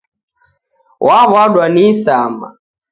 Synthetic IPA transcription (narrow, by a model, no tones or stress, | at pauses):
waβwaɗwanisama̰